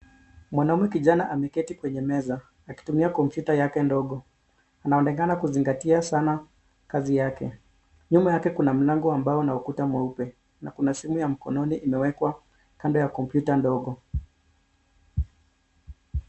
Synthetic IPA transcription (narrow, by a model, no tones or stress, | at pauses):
mwanaumɛkiʄanaʔamɛkɛtikwɛɲɛmɛza | aki̥tumiakɔmpjutajakɛndɔɠɔ | anaɔnɛkanakuziŋɡatiasana | kazijakɛ | ɲumajakɛkunam̩laŋɡɔambaɔnaukutamwɛupɛ | na̰kunasimujam̩kɔ̰nɔniʔimɛwɛkwa | kandɔjakɔmpjutandɔɠɔ